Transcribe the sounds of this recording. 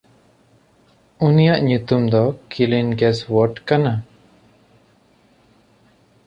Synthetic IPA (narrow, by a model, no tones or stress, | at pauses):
unijaʔɲut̪umd̪ɔkilinɡɛswɔɾʈkana